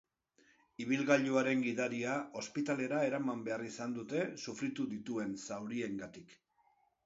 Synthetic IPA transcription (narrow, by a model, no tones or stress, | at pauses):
iβ̞ilɣaʎuaɾe̞ŋɡiðaɾiao̞spit̪ale̞ɾae̞ɾamambe̞arisand̪ut̪e̞sufɾit̪uðit̪ue̞nsawɾie̞ŋɡat̪ik